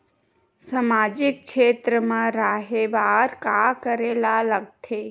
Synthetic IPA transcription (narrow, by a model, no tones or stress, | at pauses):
samaːd͡ʒɪk̚kʃʰeːt̪ɾəmãɾaːɦeʋaːɾkakəɾeːlaləɡ̚t̪ʰeː